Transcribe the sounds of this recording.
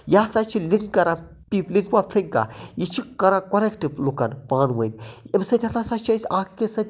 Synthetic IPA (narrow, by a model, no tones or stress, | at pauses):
jaːsat͡ʃʰiliŋkkɐɾa | pipliŋkwapʰiŋka̰jit͡ʃʰikɐɾãkoɾekʈiplukɐnpaːnʋɐjmemsɐt̪ʲʰɐnasat͡ʃʰɐsʲaːkʰi̥kesɐt̪ʲ